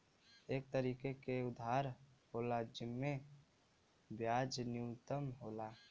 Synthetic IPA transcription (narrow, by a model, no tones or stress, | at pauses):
eːk̚t̪əɾiːkekeʊd̪ʱɦaɾɦolad͡ʒɪmːe | bjad͡ʒnjult̪əmɦoːla